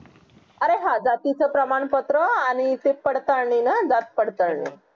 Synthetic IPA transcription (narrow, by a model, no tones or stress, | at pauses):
əɾeɦad͡zat̪it͡səpɾəmaɳpət̪ɾəaɽ̃it̪epəɽt̪aɾɳinad͡zat̪̚pəɽt̪aɾɳḭ